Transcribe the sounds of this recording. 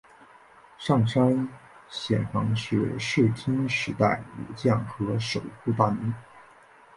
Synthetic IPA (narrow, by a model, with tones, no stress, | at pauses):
ʂɑ˥˩ŋʂa˥n | ɕjɛ̰˨˩nfɑ˧˥ŋʂɻ̩̰˥˩˧ʂɻ̩˥˩t̪ʰi˥ŋʂɻ̩˧˥t̪a˥˩ɪṵ˨˩t͡ɕjɑ˥˩ŋxɤ˧˥ʂo˨˩ʊxu˥˧t̪a˥˩n˧˥